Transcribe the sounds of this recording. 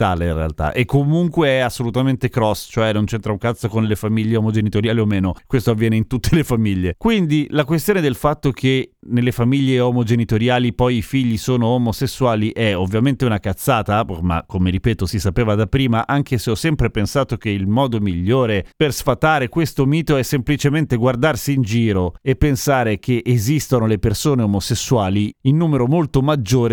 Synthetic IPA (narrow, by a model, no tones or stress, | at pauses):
t̪aːlerḛa̰lt̪a̰ʔekːomuŋkweɛasːolut̪ament̪ekɾɔst͡ʃoɛnːont͡ʃɛnt̪ɾauŋkat̪sːokonlefamiʎːeomod͡ʒenit̪oɾjaːliomeːnokwest̪oavːjɛːneint̪ut̪ːelefamiʎːekwind̪ilakwes̬t̪joːned̪elfat̪ːok̟enelːefamiʎːeɔmod͡ʒenit̪oɾjaːlipɔjifiʎːisoːnoɔmosesːuaːliʔɛovːjament̪eunakat̪sːaːt̪ama̰kːomeɾipɛːt̪osisapeːvad̪apːɾiːmaʔaŋk̟eseɔsːɛmpɾepensaːt̪okeilmɔːd̪omiʎːoːɾepersfat̪aːɾekwest̪omiːt̪oɛsːemplit͡ʃement̪eɡward̪arsiːnd͡ʒiːɾoepːensaːɾek̟ʰeʔezist̪onolepersoːneomosesːuaːliinːuːmeɾomolt̪omad͡ʒːoːɾe